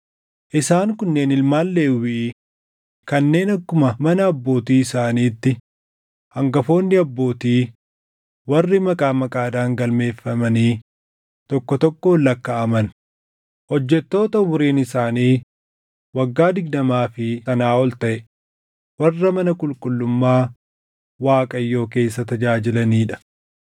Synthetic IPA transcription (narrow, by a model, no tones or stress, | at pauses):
ʔɪsaːŋkʊnːe̞ːnɪlmaːlːeːwɪʔː | kɐnːe̞ːnɐkːʊmɐmɐnɐːbːo̞ːt̪iːɪsaːniːt̪ːɪ | hɐŋɡɐfo̞ːnːɪɐbːo̞ːt̪iː | wɐrːɪmɐkʼaːmɐkʼaːd̪aːŋɡɐlme̞ːfːɐmɐniː | t̪ɔkːɔt̪ɔkːo̞ːlɐkːɐːmɐn | hɔd͡ʒːɛt̪ːo̞ːt̪ɐʊbʊɾiːnɪsaːniː | wɐɡːaːd̪ɪɡ̚d̪ɐmaːfɪsɐnaːɔlt̪ɐʔɛ | wɐrːɐmɐnɐkʼʊlkʼʊlːʊmːaː | waːkʼɐjːo̞ːke̞ːsːɐt̪ɐd͡ʒaːd͡ʒɪlɐniːᶑɐ̥